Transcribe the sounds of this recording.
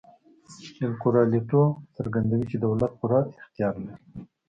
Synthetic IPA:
ɪlkuɾɑlet̪osaɾɡand̪awit͡ʃed̪awlat̪̚puɾaɪxt̪ijɑɾlaɾi

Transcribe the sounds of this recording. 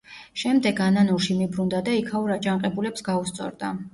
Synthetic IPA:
ʃɛmd̪ɛɡananuɾʃimibɾund̪ad̪aikʰauɾad͡ʒaɴqʼɛbulɛpsɡaust̪sʼɔ̰ɾd̪a

